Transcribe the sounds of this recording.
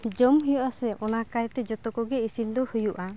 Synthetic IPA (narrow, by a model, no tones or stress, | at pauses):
d͡ʒɔmɦijɔʔasɛʔɔnakajt̪ɛd͡ʒɔt̪ɔkɔɡɛisind̪ɔhujuʔa